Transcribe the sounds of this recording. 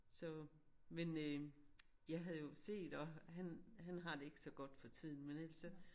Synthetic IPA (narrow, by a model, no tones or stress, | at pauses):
sɒ̽ | menø | jɑ̈ɪɦæðˠjo̝se̝̰ːd̥ɒ̽ɦænɦænɦɑ̈d̥e̝e̝ɡ̥ə̥sɒ̽ɡ̥ɒ̽d̥fɒ̽t͡sʰið̞̰ˠn̩menæl̰sɒ